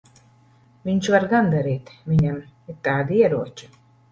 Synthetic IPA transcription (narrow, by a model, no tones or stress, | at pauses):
vʲiɲʃvaɾɡand̪aɾiːt̪vʲiɲamitt̪ːaːd̪iɛɾuɔt͡ʃi̥